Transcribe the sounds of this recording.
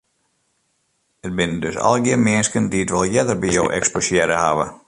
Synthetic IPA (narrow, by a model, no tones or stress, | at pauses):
ət̚bɪnəndøsɔ̰lˠɡɪənmɪənskəndiətʋɔlˠjɛdərbijowʔɛ̰ksposjɛɾəhaʋə̰